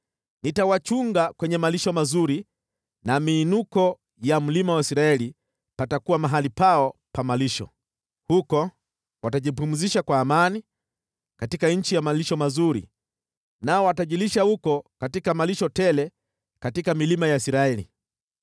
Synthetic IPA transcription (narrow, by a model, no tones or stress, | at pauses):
nitawat͡ʃuŋɡakwɛɲɛmaliʃɔmazuɾi | namiːnukɔ | jam̩limawaisiɾaɛli | patakuwamaɦalipaɔpamaliʃɔ̰ | hukɔ | wataʄipum̩ziʃakwaːmani | katikaɲ̩t͡ʃijamaliʃɔmazuɾḭ | naɔwataʄiliʃahukɔkatikamaliʃɔtɛlɛ | katikamilimajaisiɾaɛlḭ